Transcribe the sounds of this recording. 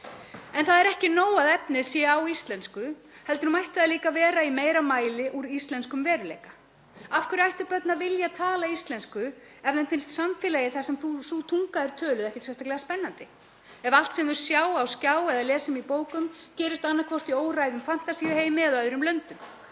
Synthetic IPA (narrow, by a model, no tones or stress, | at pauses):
ɛnθaðɛɾɛhcɪnoːwaðɛpnɪðsjɛawist̪lɛnskʏ | hɛlt̪ʏɾumajht̪aðaliːkavɛːɾaimeːjɾamaːjlɪʔuɾist̪lɛnskʏmvɛːɾʏlḛːjka | afkʰʏɾajht̪ʏɾpœt̪navɪljat̪ʰaːlaist̪lɛnskʏ | ɛvðɛnfɪnst̪samfɪlajɪθasɛmθuθut̪ʰuŋkaðɛɾ̥t̪ʰœːlʏðɛhcɪsvɛnst̪aklɛɣaspɛnːant̪ɪ | ɛval̥t̪sɛmnðʏɾ̥sjaːwawscaːwɛðalɛːsɪmipoːwkʏmcɛːɾɪst̪anːakʰvɔr̥t̪ioːwrajðʏmfan̥t̪asiːɪheːjmɪɛðœðɾʏmlœnt̪ʏm